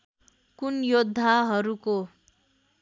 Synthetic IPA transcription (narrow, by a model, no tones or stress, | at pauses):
kunjod̪ʱːaɦʌɾuko